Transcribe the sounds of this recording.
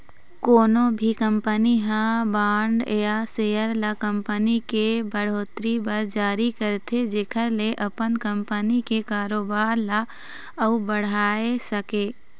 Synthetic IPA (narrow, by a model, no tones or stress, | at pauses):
koːnobʱikə̃mpəniɦãbaːɳɖjasejəɾlakə̃mpənikebəɽ̤oːt̪ɾibəɾd͡ʒaːɾikəɾt̪ʰed͡ʒeːkʰəɾleʔɐpənkə̃mpənikekaːɾoːbaːɾla | əubəɽ̤aːesəkeː